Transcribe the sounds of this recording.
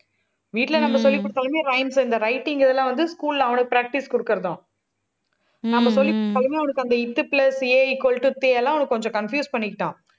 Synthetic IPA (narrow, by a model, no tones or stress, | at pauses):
ʋiːʈːɪlɐnɐmːɐsɔlːɪkːʊɽɯt̪ːaːlɐmeːɾɐɪmsɪnd̪ɐɾɐɪʈːɪŋɡɪðɛlːãːʋɐnd̪ɯskuːllãːɐʋɐɳɐkːɯpɾaːk̚ʈɪskʊɽɯkːɪɾɐðõː | nɐmːɐsɔlːɪkːʊɽɯt̪ːaːlɐmeːɐʋɐnɐkːɯɐnd̪ɐɪt̪ːɯplɐseːɪkːɔlʈːut̪eːɛlːãːɐʋɐnɐkːkɔɲd͡ʒɔ̃kɐnfjuːspɐɳːɪkːɪʈːãː